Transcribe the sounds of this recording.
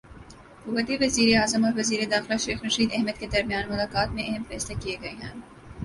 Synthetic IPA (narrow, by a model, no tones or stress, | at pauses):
ɦʊkuːʋət̪eʋɐziːɾeaːzəmɔːɾʋɐziːɾed̪aːxlaʃeːxɾɐʃiːd̪ɛɦməd̪̚ked̪ɐɾmijaːnmʊlaːkaːt̪mẽʔɐɦɛmfɛːslakieɡɐeɦɛ̃ː